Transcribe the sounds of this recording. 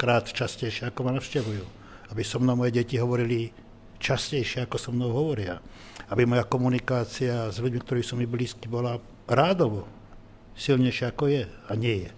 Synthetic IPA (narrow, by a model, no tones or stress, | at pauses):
kɾaːt̪t͡ʃascɛjʃɪɛakɔmanafʃcɛʋujuː | abisɔmnɔmɔjɛɟɛciɦɔʋɔɾili | t͡ʃascɛjʃɪɛakɔsɔmnɔʊɦɔʋɔɾɪa̰ | abimɔjakɔmunikaːt͡siazʎuɟmik̚t̪ɔɾiːsɔmːibliːskibɔla | ɾaːd̪ɔʋɔ | silɲɛjʃɪɛakɔjɛaɲɪɛjɛ